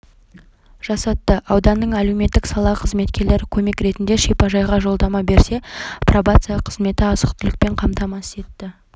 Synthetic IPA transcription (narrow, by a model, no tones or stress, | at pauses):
ʒ̥ɑsɑt̪ːəʔɑwd̪ɑnːəɴælewme̞t̪ːɪksɑlˠɑqʰəzme̞t̪kʲe̞ɾle̞ɾɪkʲʰɵme̞kɾe̞t̪ɪnd̪e̞ʃipɑʒɑjʁɑʒo̞lˠd̪ɑmɑbe̞ɾse̞probat̪sɨjɑqʰəzme̞t̪ɪɑsəqt̪ɪlɪk̚pe̞ɴqʰɑmt̪ɑmɑse̞t̪ːɪ